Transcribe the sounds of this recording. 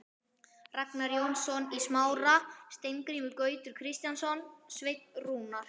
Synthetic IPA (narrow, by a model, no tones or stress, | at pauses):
raknaɾjownsɔnismaːwɾast̪ejŋkɾiːmɪlkœːɥt̪ʏɾ̥kʰɾɪst̪jansɔnsvejt̪nruːnaɾ̥